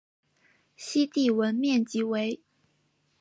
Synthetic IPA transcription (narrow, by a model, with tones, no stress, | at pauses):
ɕi˥t̪i˥˩wə˧˥nmjɛ˥˨˩nt͡ɕi˧˥we˧˥ɪ